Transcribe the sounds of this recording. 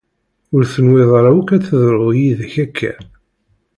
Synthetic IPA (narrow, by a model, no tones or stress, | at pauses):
ʊɾθənweðˤɾˤawukæθəðɾʊjiðæçækʰːæ̰